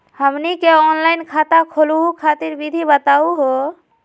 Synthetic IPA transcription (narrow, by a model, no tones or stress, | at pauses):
həmnikeɔnlajnkʰat̪akʰoluɦukʰat̪iɾbid̪ʱibət̪auɦo